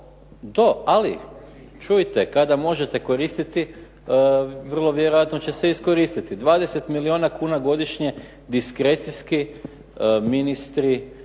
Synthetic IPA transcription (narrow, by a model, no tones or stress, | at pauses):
d̪oalḭ | t͡ʃujt̪ekad̪amo̞ʒet̪eko̞ɾist̪it̪i | ʋər̩lˠo̞ʋjeɾojat̪no̞t͡ɕe̞seisko̞ɾist̪it̪id̪ʋaːd̪e̞se̞t̪milioːnakuːnaɡo̞d̪iʃɲe̞ | d̪iskɾet̪siski | minist̪ɾi